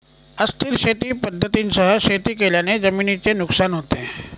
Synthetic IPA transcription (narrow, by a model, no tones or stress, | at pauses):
əst̪ʰiɾket̪iːpəd̪ʱːət̪insəɦəɕet̪iːkeljaned͡zəminit͡senuksanɦot̪e